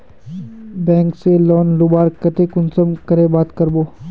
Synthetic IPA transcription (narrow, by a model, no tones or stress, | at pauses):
bɛ̃ːŋkselɔːnlʊbaːɾkət̪ekʊnsəmkəɾebaːt̪kəɾboː